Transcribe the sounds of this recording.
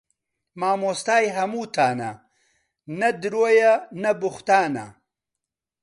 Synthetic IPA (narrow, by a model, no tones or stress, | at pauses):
maːmoːst̪aːjɦɐmuːt̪ʰaːnɐ̰ | nɐd̪ɾojɐnɐbuxt̪aːnɐ̰